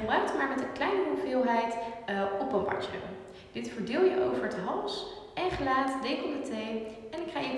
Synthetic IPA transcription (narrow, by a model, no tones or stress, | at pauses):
əbrœɥk̚tmaːɹmɛtənklɛjnəuvɪːlˠɦɛjtɔpəmbɑ̰ɹspɪ̰lən | d̥ɪtfəɹdɪːlˠjəʔowvəɹdəɦɑlˠs | ɛnχəlaːtdekɔmdətejɛnɪkχaːjə